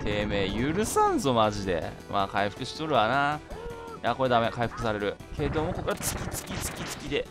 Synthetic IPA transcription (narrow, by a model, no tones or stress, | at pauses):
t̪ʰe̞ːme̞ːjɯɾɯ̟sãnzo̞maʑid̪e̞̰ | maːkaiɸɯ̟kɯ̟ɕi̥t̪oɾɯ̟βana | jako̞ɾe̞d̪ame̞kaiɸɯ̟kɯ̟saɾe̞ɾɯ̟kʰe̞d̪o̞mo̞ko̞koɡat͡sɨ̥kʲit͡sɨ̥kʲit͡sɨ̥kʲit͡sɨ̥kʲid̪e̞